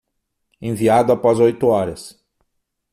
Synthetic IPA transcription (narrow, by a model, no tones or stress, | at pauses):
ẽviad̪ʊapɔzojt̪ʊɔɾɐs